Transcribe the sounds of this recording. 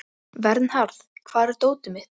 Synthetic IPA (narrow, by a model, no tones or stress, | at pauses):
vɛɾt̪nhaɾθkʰv̥aːðɛɾ̥t̪oːwt̪ʏmɪ